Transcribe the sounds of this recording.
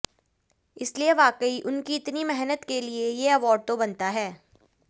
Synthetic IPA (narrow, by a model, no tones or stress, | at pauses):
ɪslieʋaːqəiʔʊnkiɪt̪nimɛɦnət̪keliejeɐʋɔːɖ̚t̪obɐnt̪aɦɛː